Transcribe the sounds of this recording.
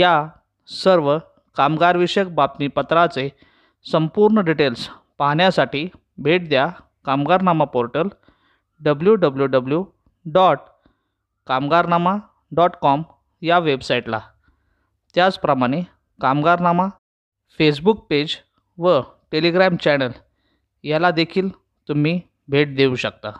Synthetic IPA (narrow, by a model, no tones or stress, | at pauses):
ja | səɾʋə | kamɡaɾʋiɕək̚bat̪mipət̪ɾat͡se | səmpuɾɳəɖiʈels | paɦɳjasaʈiː | bʱeʈ̚d̪ja | kamɡaɾnamapoɾʈəl | ɖəbljuɖəbljuɖəblju | ɖɔʈ | kamɡaɾnama | ɖɔʈkɔm | jaʋebsajiʈla̰ | t̪jat͡spɾəmaɽ̃e | kamɡaɾnama | fes̬buk̚ped͡ʑ | ʋə | ʈeliɡɾamt͡ɕɛnəl | jalad̪ekʰiːl | t̪um̤iː | bʱeʈ̚d̪euɕək̚t̪a